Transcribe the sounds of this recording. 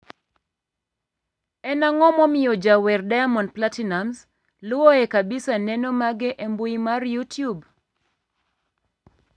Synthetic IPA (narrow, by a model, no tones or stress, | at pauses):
ɛnaŋɔmɔmɪjɔd͡ʒawɛrdajamɔnplatinamz | lʊɔɛkabɪsanɛnɔmaɡɪʔembuimarjutjub